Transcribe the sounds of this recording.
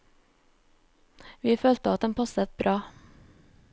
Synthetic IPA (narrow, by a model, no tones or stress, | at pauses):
ʋiːføːlt̪əɑt̪̚d̪ɛmpʰɑsət̪̚bɾʔɑː